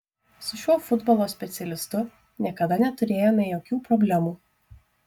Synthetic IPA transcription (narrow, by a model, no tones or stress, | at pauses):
sʊʃʲuɔfʊd̪bɔlˠoːsʲpʲɛt̪sʲɛlʲɪst̪ʊ | nʲiɛkɐd̪ɐnʲɛt̪ʊɾʲeːjoːmʲɛjoːkʲuːpɾɔbʲlʲɛmuː